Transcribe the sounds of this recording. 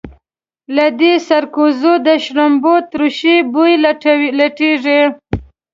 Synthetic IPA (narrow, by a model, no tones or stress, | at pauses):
lad̪esaɾkuzod̪əʃɾambot̪ɾuʃibujlaʈiʐi